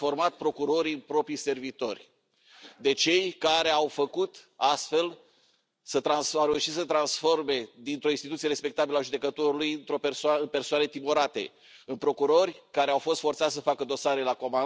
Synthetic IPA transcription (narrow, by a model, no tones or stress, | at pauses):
fo̞rmat̪̚pɾo̞kuɾo̞ɾiɨnpɾo̞pɾijse̞rvit̪o̞rʲ | d̪e̞t͡ʃe̞jkaɾe̞awfəkut̪ast̪fe̞l | sət̪ɾansawɾeuʃit̪sət̪ɾansfo̞rme̞d̪int̪ɾo̞inst̪it̪ut̪siee̞spe̞k̚t̪abileaʒud̪e̞kət̪o̞ɾulujɨnt̪ɾo̞persaɨnpe̞rsoanət̪imo̞ɾat̪e̞̰ | ɨnpɾo̞kuɾo̞rʲkaɾe̞awfo̞st̪fo̞rt̪sat̪ssəfakəd̪o̞saɾelako̞ma